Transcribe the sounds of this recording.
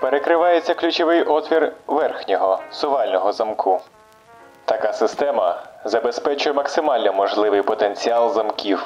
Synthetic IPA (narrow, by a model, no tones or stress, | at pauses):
peɾekɾɪʋɑjet͡sʲːɐklʲʊt͡ʃɔʋɪjʔɔt̪ʋʲirʋɛrxnʲɔɦɔsʊʋɑlʲnɔɦɔzɐmkʰʊ | t̪ɐkɑsɪst̪ɛmɐzɐbespɛt͡ʃʊjɛmɐksɪmɑlʲnɔmɔʒlˠɪʋɪjpɔt̪enʲt͡sʲiɑlˠzɐmkʲiw